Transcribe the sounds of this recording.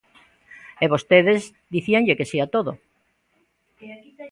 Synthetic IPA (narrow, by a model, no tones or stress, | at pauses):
eβost̪eðez | d̪iθiaŋʎekesiat̪oðo